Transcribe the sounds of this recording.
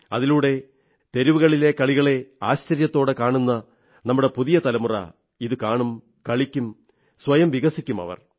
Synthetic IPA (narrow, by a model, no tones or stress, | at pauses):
ɐðiluːɽe̞ | t̪e̞ɾiʋuɣɐɭilekɐɭiɣɐɭe̞aːɕt͡ɕɐɾjɐt̪ːo̞ːɽɨkaːɳunːɐ | nɐmːuɽe̞puðijɐt̪ɐlɐmurɐ̰ | iðɨkaːɳum | kɐɭikʲːum | sʋɐjɐmʋiɣɐsikʲːumɐ̰ʋɐ̰r